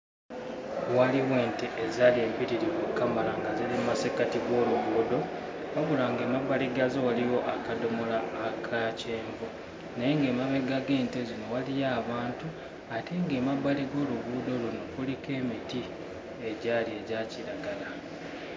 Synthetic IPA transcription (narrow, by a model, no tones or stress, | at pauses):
waliwe̞ːnteʔezalie̞ːmpiɾiɾiβukːamalaŋɡazilimmːasekatiɡo̞ːluβuːdo̞ | aβulaːŋɡe̞ːmabːaliɡazowaliwo̞ʔakado̞mo̞laːkʰaceːɱvu | nejeŋɡe̞ːmaβe̞ɡaɡeːntezino̞walijaːβaːntu | ateŋɡe̞ːmabːaliɡo̞ːluβuːdo̞luno̞kulike̞ːmiti | e̞ɟaːlie̞ɟaciɾaɡala